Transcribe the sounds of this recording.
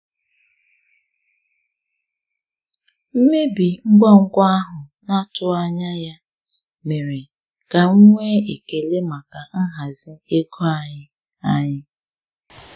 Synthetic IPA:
m̩˦me˦bi˨ŋ͡m̩˦ɡ͡bɔ˦ŋ̩˦kʷɔ˦a˦ɦʊ˨na˦tʊ˦a˦ɲa˦ja˦ | me˨ɾe˨ | ka˨ŋ̩˦ŋʷe˦i˨ke˨le˦ma˨ka˨ŋ̩˦ɦa˨zɪ˦e˦kʰo˦a˨ɲɪ˦ | a˦ɲɪ˦

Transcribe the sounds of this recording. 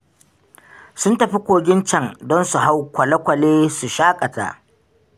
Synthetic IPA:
sʊ˦ntɐ˨ɸi˦kʷoː˨ɡʲɪ˦nt͡ʃɐ˦ŋdɔ˦nsu˨ɦa˦wkʷɐ˨lɐ˦kʷɐ˨leː˦su˨ʃaː˦kʼɐ˨ta̰˨ʔ

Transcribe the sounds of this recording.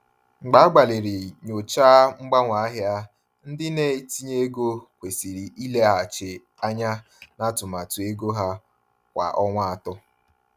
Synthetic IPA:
ŋ͡m̩˨ɡ͡ba˨˦a˦ɡ͡ba˨le˨ɾi˨ɲo˨t͡ʃaː˦ŋ͡m̩˦ɡ͡ba˦ŋʷa˨a˦ɦja˦ | n̩˦dɪ˦ne˦ti˦ɲe˦ɡo˦kʷe˨si˨ɾi˨ʔi˦le˦a˨t͡ʃe˨ | a˦ɲa˦ | na˦tʊ˨ma˨tʊ˨e˦ɡo˦ɦa˦ | kʷa̰˨ʔɔ˦ŋʷa˦a˨tɔ˦

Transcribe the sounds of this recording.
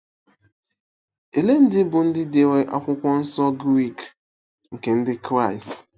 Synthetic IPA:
e˨le˦n̩˦dɪ˦bʊ˨n̩˦dɪ˦de˨we˦ʔa˨kʷʊ˦kʷɔ˦n̩˦sɔ˦ɡɾi˦˨k | ŋ̩˨ke˨n̩˦dɪ˦kɾa˦˨ɪ˨st

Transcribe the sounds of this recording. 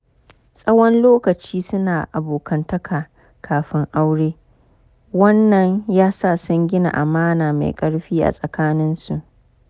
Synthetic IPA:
sʼɐ˦wɔ˦nloː˦kɐ˨t͡ʃiː˦sʊ˦naː˨ʔa˨boː˨kʰɐ˦ntɐ˦kʰaː˨ | kʰaː˨ɸɪ˦ŋʔa˦wɽeː˦ | wɐ˦nːɐ˨ɲjaː˦sa˦˨sɐ˦ŋɡʲɪ˦na̰˨ʔa̰˨maː˦naː˨ma̰˨kʼɐ˦ɽɸiː˦ʔa̰˨sʼɐ˨kaː˦nɪ˦nsu˨ʔ

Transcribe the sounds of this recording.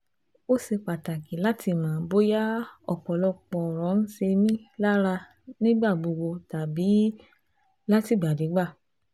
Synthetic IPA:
o˦se˧k͡pa˨ta˨ki˨la˦tʰi˧˨mãː˨˦bo˦ja˦ɔ̰˨k͡pɔ˨lɔ˧k͡pɔ˧˨ɾɔ̃˨˦n̩˦se˧mĩ˦la˦ɾa˧ | nĩ˦ɡ͡ba˦˨ɡ͡bo˧ɡ͡bo˧ta˨bi˨˦ | la˦ti˦˨ɡ͡ba˨de˨˦ɡ͡ba˦˨

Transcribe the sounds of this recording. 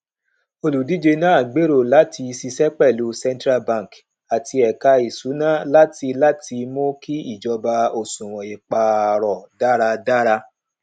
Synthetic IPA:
o˧lu˨di˦d͡ʒe˧nã˦a˦˨ɡ͡be˨˦ɾo˦˨la˨˦tʰi˧si˧sɛ˦k͡pɛ˦˨lu˨˦sɛ̃˦n˦tɾa˦bã˦˨ŋ˨k | a˨ti˧ɛ˨ka˧i˨su˨˦nã˦la˦ti˧la˦ti˧mo˦ki˦i˦˨d͡ʒɔ˧ba˧o˨sũ˨ɾ̃ɔ̃˨e˨k͡pa˨ɾɔ˨da˦ɾa˧da˦ɾa˧

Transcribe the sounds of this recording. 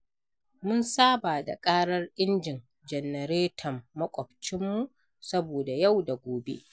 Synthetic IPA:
mʊ˦nsaː˦baː˨da̰˨kʼaː˦ɽɐ˦rʔɪ˦nd͡ʒɪ˨n | d͡ʒɛ˨nɛ˨ɾeː˦tʰɐ˨mːɐ˦kʷʼɔ˨ɸ̚t͡ʃɪ˦mːu˦ʔ | sɐ˦boː˨da˨ja˦˨wda˨ɡʷoː˨bḛ˦ʔ

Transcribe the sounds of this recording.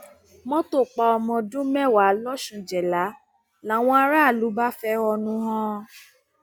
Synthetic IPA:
mɔ̃˦to˦˨k͡pa˧ɔ˧mɔ̃˧dũ˦mɛ˦˨wa˨˦lɔ˦ʃũ˧˨d͡ʒɛ˨la˨˦ | la˨˦w̃ɔ̃˧˦a˧ɾa˦˨lu˨˦ba˦fɛ˧˦ɔ˧nũ˧˦ɦɔ̃˦

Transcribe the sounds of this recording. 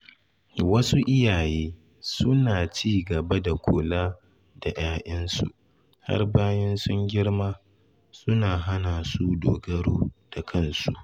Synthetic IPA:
wɐ˦su˦ʔɪ˦jaː˨jeː˦ | sʊ˦naː˨t͡ʃiː˦˨ɡɐ˨ba˦da˨kʷʰoː˨laː˦ | da˨j̰aː˦ʔɐ˦nsṵ˨ʔ | ha̰˦rbaː˦jɐ˦nsʊ˦ŋɡʲɪ˦ɽmaː˦ | sʊ˦naː˨ɦa˦naː˨su˦doː˨ɡɐ˦ɽoː˦d̥a˨kʰɐ˦˨nsu˦ʔ

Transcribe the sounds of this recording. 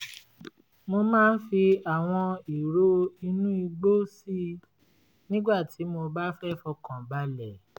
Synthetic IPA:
mo˧mãː˦n̩˦fi˧a˨w̃ɔ̃˧i˨ɾo˦i˧nũ˦i˧ɡ͡bo˦si˦˨ | nĩ˦ɡ͡ba˦˨ti˨˦mo˧ba˦fɛ˦fɔ˧kã˨ba˧lɛ˨

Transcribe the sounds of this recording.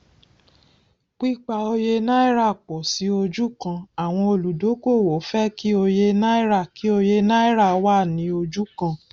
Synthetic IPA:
k͡pi˦k͡pa˧o˧je˧na˦i˦ɾa˦˨k͡pɔ˨si˨˦o˧d͡ʒu˦kã˧a˨w̃ɔ̃˧o˧lu˨do˨˦ko˦˨wo˨˦fɛ˦ki˦o˧je˧na˦i˦ɾa˦˨ki˨˦o˧je˧na˦i˦ɾa˦˨wa˦˨nĩ˨˧˦o˧d͡ʒu˦kã˧

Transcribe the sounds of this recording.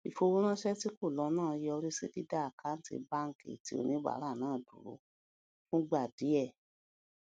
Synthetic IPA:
i˨fo˧wo˦ɾ̃ã˦ʃɛ˦ti˦ko˦˨lɔ˨˧˦nãː˦˨˧ji˦ɔ˧ɾi˦se˦di˦da˦˨kʰa˨˦n̩˦tḭ˧ba˦ŋ̩˦kḭ˨ti˦o̰˧nĩ˦ɡ͡ba̰˨˦ɾa˦˨nãː˦˨dũ˨ɾo̰˨˦ | fũ˦ɡ͡ba˦˨di˨˦ɛ˦˨

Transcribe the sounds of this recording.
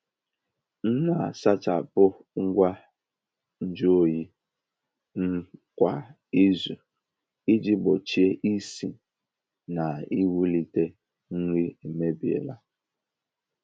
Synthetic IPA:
n̩˦na˨sa˦t͡ʃa˨pʊ˦ | ŋ̩˦ɡʷa˦ | n̩˦d͡ʒo˦˨ji˦ | ŋ̩˦kʷa˨ | i˦zu˨ | i˦d͡ʒi˦bo˨t͡ʃi˦e˦ʔi˦si˨ | na˨i˦wu˦li˦te˦ | ŋ̩˦ŋi˦e˨me˦bi˨ḛ˨la˦

